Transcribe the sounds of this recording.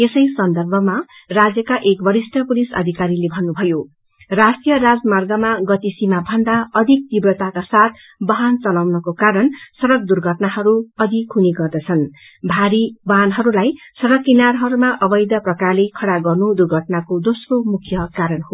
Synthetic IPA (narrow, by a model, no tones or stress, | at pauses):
esʌjsʌnd̪ʌrbʱʌmarad͡zjʌkaʔekbʌɾisʈʰʌpulisʌ̰d̪ʱikaɾilebʱʌnːubʱʌjo | rasʈijʌrad͡zmarɡʌmaɡʌt̪isimabʱʌnd̪aʌd̪ʱik̚t̪ibrʌt̪akasat̪̚ | bʌɦant͡sʌlawnʌkokaɾʌnsʌɾʌk̚d̪urɡʱʌʈnahʌɾuʌd̪ʱikɦuneɡʌrd̪ʌt͡sʰʌn | bʱaɾibʌɦanɦʌɾulajsʌɾʌkːinarɦʌɾumaʔʌbʌjd̪ʌprʌkarlekʰʌɽaɡʌrnud̪urɡʱʌʈnakod̪osromukʰjʌkaɾʌnho